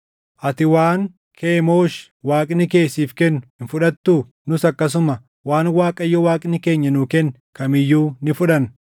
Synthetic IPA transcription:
ʔɐt̪ɪwaːŋ | kʰe̞ːmoːʃ | waːkʼnɪke̞ːsiːfkɛnːɪnfʊᶑɐt̪ːuː | nʊsɐkːɐs̬ʊmɐ | waːnwaːkʼɐjːɔwaːkʼnɪke̞ːɲːɐnuːkɛn | kɐmɪjːuːnɪfʊᶑɐn

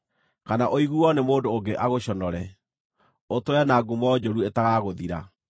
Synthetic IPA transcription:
kanaʔoiɣuɔnemoːndoːŋɡeʔaɣoɕɔnɔɾɛ | otoɛnaːɡumɔd͡ʒoɾuetaɣaɣoðiɾa̰

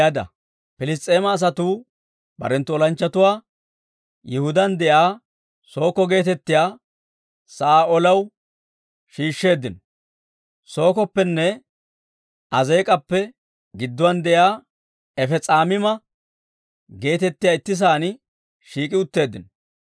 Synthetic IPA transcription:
ad̪ɐ̰ | pɪlɪs̬t̪ʼe̞ːmɐːs̬ɐt̪uː | bɐ̰ɾɛnt̪ːʊɔlɐnt͡ʃːɐt̪ʊwaː | jɛhʊd̪ɐnd̪ɛʔaː | so̞ːkɔɡe̞ːt̪ɛt̪ːɪjaː | sɐʔaːɔlɐw | ʃiːʃːe̞ːd̪ɪnɔ | so̞ːkɔpːɛnːɛ | ʔɐzeːkʼɐpːɛ | ɡɪd̪ːɔwɐnd̪ɛjaː | ɛfɛt͡sʼaːmɪmɐ | ɡe̞ːt̪ɛt̪ːɪjaːɪt̪ːɪs̬aːnɪ | ʃiːkʼɪʊt̪ːe̞ːd̪ːɪn

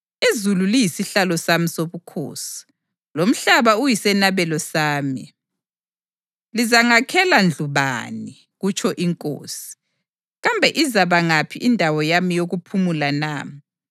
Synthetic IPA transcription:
izululijisiɬalɔsamisoβukʰo̰ːsi̥ | lom̩ɬaβaujisɛnaβɛlɔsaːmi | lizaŋakʰɛland͡ɮʱuβa̰ni | ɣut͡ʃʼʰɔʔiŋkʼo̰ːsi̥ | ɣambʱɛʔizaβaŋapʰiʔindʱawɔjamijoɣupʰumulanaːmi

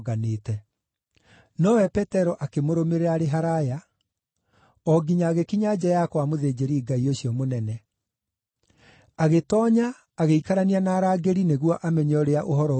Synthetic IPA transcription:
ɣaneːtɛ | nɔwɛpɛtɛɾɔʔakemoɾomeɾeaɾeɦaɾaja | ɔɡiɲaɣekiɲad͡ʑajakwamoðed͡ʑeɾiːɡaioɕiɔmonɛnɛ | aɣetɔːɲaː | ɣeikaɾanianaːɾaːɡeɾineɣwɔʔamɛɲɔɾeaʔoɦɔɾɔ

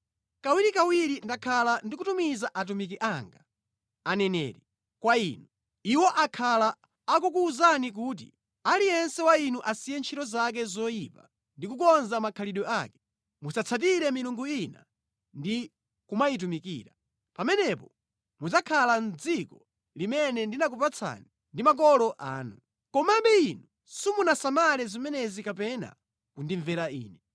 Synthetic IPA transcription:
kawiɾikawiɾindakʰalandik̬utumizaʔat̬umik̬iʔaŋɡa | anɛnɛ̰ɾi | kwaiːnu | iwɔʔakʰalaː | kukuːzanik̬uːt̬ḭ | alijɛnsɛwainuʔasijɛnt͡ʃʰitɔzak̬ɛzɔipa̰ | ndik̬ukɔnzamakʰaliɗɔaːkɛ̥ | musat͡sʰat̬iɾɛmiluŋɡuina̰ | ndi | kumait̬umikḭːɾa | pamɛnɛpɔ | mud͡zakʰalan̩d͡zikɔ | limɛnɛndinak̬upat͡sʰa̰ni | ndimak̬ɔlɔʔa̰ːnu | kɔmabɛinu | sumunasamalɛzimɛnɛzikapɛna̰ | kundiɱvɛɾaḭːnɛ

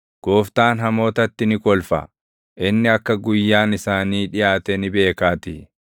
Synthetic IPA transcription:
ɡ̥o̞ːft̪aːnɦɐmo̞ːt̪ɐt̪ːɪnɪkɔlfɐ̰ | ʔɪnːɪɐkːɐɡʊjːaːnɪsaːniːᶑɪjaːt̪ɛnɪbe̞ːkaːt̪ɪ

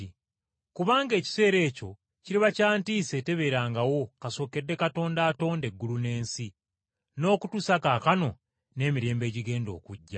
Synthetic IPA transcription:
i | kuβaːŋɡe̞ːci̥se̞ːɾe̞ːco̞ | ciɾiβacaːntiːse̞te̞βe̞ɾaːŋɡawo̞kaso̞ːke̞dːe̞kato̞ːndaːto̞ːnde̞ɡːulune̞ːnsi | no̞ːkutusakakano̞ | ne̞ːmiɾe̞ːmbe̞ːɟiɡe̞ːndo̞̰ːkuɟːa

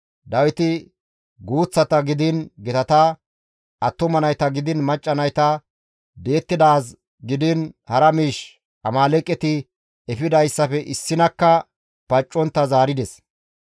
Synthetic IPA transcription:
d̪ɐwɪt̪ɪ | ɡuːt͡sːɐt̪ɐɡɪd̪ɪnɡɛt̪ɐt̪ɐ | ɐt̪ːʊmɐnɐjt̪ɐɡɪd̪ɪnmɐt͡ʃʼːɐnɐjt̪ɐ | d̪e̞ːt̪ːɪd̪aːs | ɡɪd̪ɪnhɐɾɐmiːʃ | ʔɐmaːlɛkʼːɛt̪ɪ | ɛfɪd̪ɐjsːɐfɛʔɪsːɪnɐkːɐ | pɐt͡ʃʼːɔnt̪ːɐzaːɾɪd̪ɛs

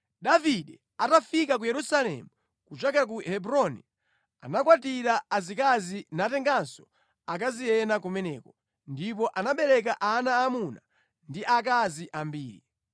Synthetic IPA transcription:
ɗaviɗɛ | atafikak̬ujɛɾusalɛ̰mu | kut͡ʃakɛɾak̬uhɛbuɾɔnɛ | a̰nakwatiɾaːzikazinatɛŋɡansɔ̥ | ak̬azijɛnakumɛnɛːkɔ | ndipɔʔanaɓɛɾɛk̬aʔanaːmuna | ndiʔakaziʔambiːɾḭ

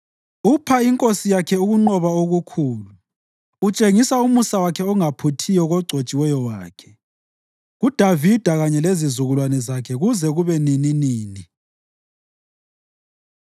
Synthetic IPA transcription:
upʰaiŋkʼosijakʰɛuɣuŋ͡ǃɔβaoɣukʰuːluː | t͡ʃʼeŋisaumusawakʰɛɔŋapʰutʰijɔɣɔɡ͡ǀʱot͡ʃʼiwɛjɔwaːkʰɛ̥ | ɣud̥ʱavid̥ʱaɣaɲɛlezizuɣulwanɛzakʰɛɣuzɛɣuβɛnininiːni

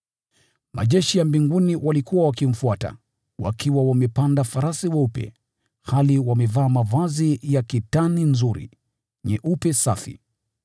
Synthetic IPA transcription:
mʔa̰ʄɛʃijambiŋɡuniwʔalikuwawakim̩fuata̰ | wa̰kʰiwawamɛpandafaɾasiwaupɛ̰ | haliwamɛvaːmavazijakitaninzuɾḭ | ɲɛʔupɛsafḭ

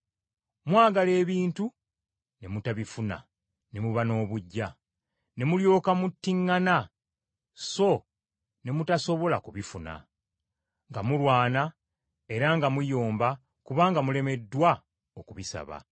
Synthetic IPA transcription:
mwaːɡale̞ːβiːntu | ne̞mutaβifuna̰ | ne̞muβano̞ːβuɟːa | ne̞muljo̞ːkamutːiŋːana | so̞ | ne̞mutaso̞βo̞lakuβifuna̰ | ŋɡamulwaːna | e̞ɾaŋɡamujo̞ːmba | kuβaːŋɡamule̞me̞dːwa | okuβisa̰βa̰

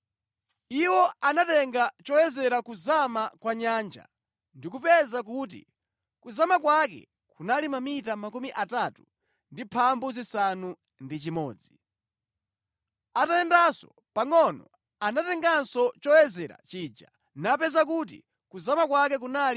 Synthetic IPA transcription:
iwɔanatɛŋɡat͡ʃɔjɛzɛɾakuzamakwaɲaːnd͡ʒa̰ | ndik̬upɛzak̬uːt̬ḭ | kuzamakwak̬ɛ̰ | kunalimamitamakumiʔatatu | ndipʰambuzisanu | ndit͡ʃimɔːd͡zi | atajɛndasɔ̰ | paŋɔnɔ̰ | anatɛŋɡansɔt͡ʃɔjɛzɛɾa̰t͡ʃiːd͡ʒa̰ | napɛzak̬ut̬ḭ | kuzamakwak̬ɛk̬unal

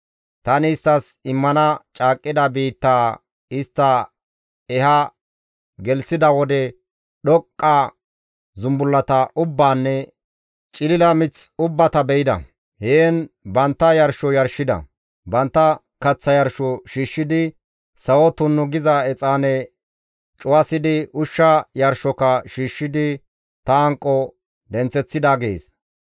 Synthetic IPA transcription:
t̪ɐnɪːst̪ːɐsɪmːɐnɐt͡ʃʼaːkʼːɪd̪ɐbiːt̪ːaː | ɪst̪ːɐ | ɛhɐ | ɡɛlsɪd̪ɐwɔd̪ɛ | ɗɔkʼːɐ | zʊmbʊlːɐt̪ɐʔʊbːaːnːɛ | t͡ʃʼɪlɪlɐmɪt͡sʊbːɐt̪ɐbɛjɪd̪ɐ̰ | heːnbɐnt̪ːɐjɐɾʃɔjɐɾʃːɪd̪ɐ̰ | bɐnt̪ːɐ | kɐt͡sːɐjɐɾʃɔʃiːʃːɪd̪ɪ | sɐwɔt̪ʊnːʊɡɪzɐɛt͡sʼaːnɛ | t͡ʃʼʊwɐsɪd̪ɪʊʃːɐjɐɾʃɔkɐʃiːʃːɪd̪ɪ | t̪ɐɐŋkʼːɔ | d̪ɛnt͡sːɛt͡sːɪd̪aɡeːs

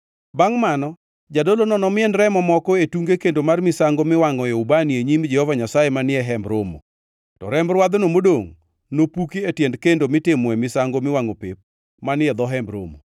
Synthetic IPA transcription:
baŋmanɔ | d͡ʒadolonɔnɔmɪɛnɾɛmɔmɔkɔetuŋɡekendomarmɪsaŋɡomɪwaŋɔjɔubanieɲimd͡ʒɛhɔvaɲasaemanɪɛɦɛmbɾomo̰ | tɔɾɛmbɾwad̪nomodoŋ | nopukietjɛndkendomɪtɪmwɛmɪsaŋɡomɪwaŋopep̚ | manɪɛd̪ɔɦɛmbɾo̰mo̰

